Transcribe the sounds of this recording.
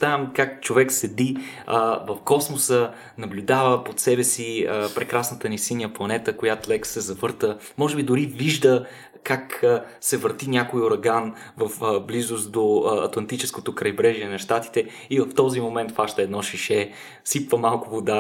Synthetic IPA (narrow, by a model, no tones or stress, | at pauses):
t̪amkakt͡ʃovɛksɛd̪iəvɐfkɔsmosə | nɐblʲud̪avəpot̪sɛbɛsiəpɾɛkɾasnət̪ənisiniəplˠɐnɛt̪əkojat̪lɛksɛzɐvɤɾt̪ə | mɔʒɛbid̪ʊɾiviʒd̪ə | kaksɛvəɾt̪inʲjakoioɾɐɡan | vɐfblizʊsd̪oɐ̰t̪lˠɐnt̪it͡ʃɛskot̪okɾɐjbɾɛʒiɛnɐʃt̪at̪i̥t̪ɛ | ivɐft̪ɔzimomɛnt̪faʃt̪əɛd̪nɔʃiʃɛ | sipvəmalˠkʊvod̪a